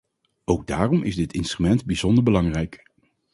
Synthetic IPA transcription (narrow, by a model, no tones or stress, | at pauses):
owɡ̚daːrɔmʔɪzdɪtɪnstrymɛntbizɔndəɹbəlɑŋrɛjk